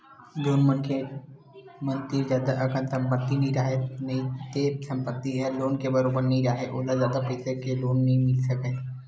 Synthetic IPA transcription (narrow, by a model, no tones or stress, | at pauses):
d͡ʒoːnmənkʰe | mɐ̃nt̪ɪɾd͡ʒaːd̪aʔɐkə̃nt̪sʰɐ̃mpət̪ːinɐɦĩɾɐɦenɐɦĩt̪esɐ̃mpət̪ːiɦɛloːnkebɐɾoːbəɾnəɦĩɾaːɦeʔoːlazjaːd̪apɛːsekeloːnːɐɦĩmɪlsɐke